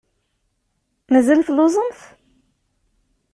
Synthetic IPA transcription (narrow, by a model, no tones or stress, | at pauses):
mæzælθlozˤənθ